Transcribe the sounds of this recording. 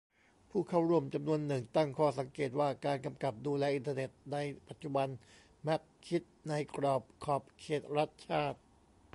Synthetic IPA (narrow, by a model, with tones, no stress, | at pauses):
pʰuː˥˩kʰa˥˩wɾu˥˩əmt͡ɕa˧mnu˧ənːɯ˨˩ŋt̪a˥˩ŋkʰɔː˥˩sa˩˦ŋkeː˨˩t̪̚waː˥˩kaː˧nka˧mka˨˩p̚duː˧lɛː˧ʔi˧nt̪a˧ne˨˩t̪̚na˧jpa˨˩t̪̚t͡ɕu˨˩ba˧n | mɛ˦˥k̚kʰːi˦˥t̪̚na˧jkɾɔː˨˩p̚kʰɔː˨˩p̚kʰeː˨˩t̪̚ɾa˦˥˩t̪̚t͡ɕʰaː˥˩t̪̚